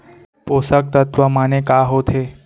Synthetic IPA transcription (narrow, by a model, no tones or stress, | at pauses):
posək̚t̪ət̪ʋəmanekaɦot̪ʰe